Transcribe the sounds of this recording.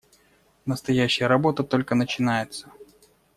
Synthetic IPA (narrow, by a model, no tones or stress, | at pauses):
nəst̪ɐjæɕːɪjəɾɐbo̞t̪ət̪o̞lʲkənət͡ɕɪnajɪt̪sə